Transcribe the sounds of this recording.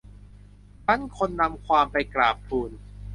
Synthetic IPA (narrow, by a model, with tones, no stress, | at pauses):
pa˦˥˨nkʰo˧nːa˧mkʰwaː˧mpa˧jklaː˨˩pʰːuː˧n